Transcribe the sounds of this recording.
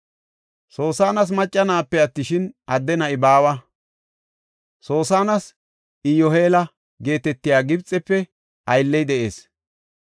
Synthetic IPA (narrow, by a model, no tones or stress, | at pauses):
so̞ːsaːnɐs̬mɐt͡ʃʼːɐnaːpːɛɐt̪ːɪʃɪnʔɐd̪ːɛnɐɪbaːwɐ | so̞ːsaːnɐs | ɪjɔhe̞ːlɐ | ɡe̞ːt̪ɛt̪ːɪjaːɡɪbt͡sʼɛpːɛ | ʔɐjlːɛjd̪ɛʔe̞̰ːs